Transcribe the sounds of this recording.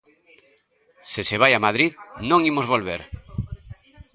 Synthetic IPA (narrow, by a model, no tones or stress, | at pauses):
seseβ̞ajamaðɾiðnõŋimozβolβeɾ